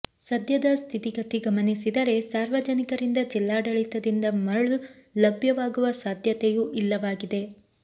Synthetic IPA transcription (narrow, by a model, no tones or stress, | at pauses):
sɐd̪ʱjɐd̪ɐst̪ʰit̪iɡɐt̪iɡɐmɐnisid̪ɐɾe̞saːɾʋɐd͡ʒɐnikɐɾind̪ɐd͡ʒilːaːɖɐɭit̪ɐd̪ind̪ɐmɐɭulɐbʱjɐʋaːɡuʋɐsaːd̪ʱjɐt̪ejuʔilːɐʋaːɡid̪e̞